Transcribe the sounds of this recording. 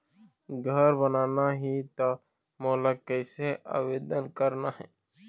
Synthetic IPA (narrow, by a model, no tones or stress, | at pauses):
ɡʱəɾbənaːnaɦit̪a | moːlakəɪsea̰ːʋeːd̪ənkəɾnaːɦɛ̰ː